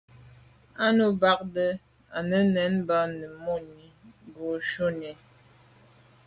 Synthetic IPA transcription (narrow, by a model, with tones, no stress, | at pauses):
a˦no˨ba˦k̚də˦ | a˨nə˦nɛ˨˦nba˦nə˨mo˦˨ni˨ɡo˨ʃo˦ni˨